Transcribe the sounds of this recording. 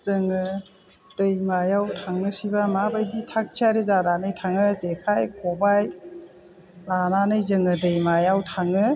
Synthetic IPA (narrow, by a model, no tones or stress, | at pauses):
zɯŋɯ | dɯjmajawtʰaŋnɯsibamabajditʰak̚t͡ʃʰaɾezananɯjtʰaŋɯzekʰajkʰɔbaj | lananɯjzɯŋɯdɯjmajawtʰaŋɯ